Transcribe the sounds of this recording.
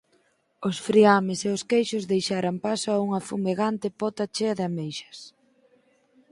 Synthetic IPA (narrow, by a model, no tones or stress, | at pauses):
ʊsfɾiamɪseʊskejʃʊzðejʃaɾampasoauŋɐfumeɣant̪ɪpɔt̪at͡ʃeɐðɪamejʃɐ̥s